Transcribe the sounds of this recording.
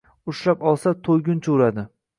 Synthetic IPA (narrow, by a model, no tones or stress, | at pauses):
ʊʃlapɒlˠsat̪ʰojɡʲʊnt͡ʃʰoɾad̪ɪ